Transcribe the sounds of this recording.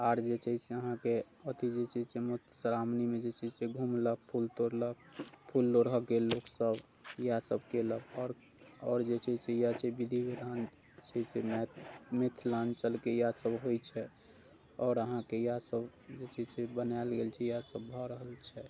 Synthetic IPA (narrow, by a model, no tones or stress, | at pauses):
aɾd͡ʒet͡ʃəɪseəɦãke | ət̪id͡ʒet͡ʃid͡ʒsemot̪ʰsəɾamnimed͡ʒet͡ʃid͡ʒseɡʱumlək̚pʰult̪oɾlək̚pʰulːoɾəɦəkeloksəb | jasəb̚keləbɔːɾ | ɔːɾd͡ʒet͡ʃəd͡ʒsejat͡ʃʰɛbid̪ʱikeɾan | t͡ʃəsemmet̪ʰlant͡ʃəlkejasəbɦojt͡ʃʰɛ | ɔːɾəɦãkejasəb | d͡ʒet͡ʃid͡ʒsebənalɡelt͡ʃʰɛjasəbːʱɔɾəɦəlt͡ʃʰɛ